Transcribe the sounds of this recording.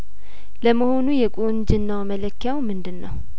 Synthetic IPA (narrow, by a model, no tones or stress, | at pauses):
ləməho̞nujɛkʼond͡ʒɨnːawmələkːjawmɨnd̪ɨnːəw